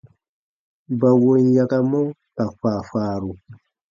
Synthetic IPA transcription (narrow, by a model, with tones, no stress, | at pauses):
ba˨wo˦n˦ja˨ka˦mɔ˦ | ta˨faː˨faː˨˦ɾu˨